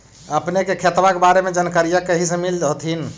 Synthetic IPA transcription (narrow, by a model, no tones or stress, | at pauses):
əpnekekʰet̪bakebaɾemed͡ʒənkəɾijəkːəɦisẽmild͡ʒɦot̪ʰin